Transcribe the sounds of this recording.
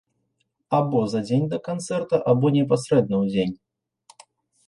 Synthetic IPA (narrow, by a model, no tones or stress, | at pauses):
abɔzɐd͡zʲenʲd̪ɐkant̪sɛrt̪ɐʔabɔnʲɛp̬asɾɛd̪̚nɐwd͡zʲenʲ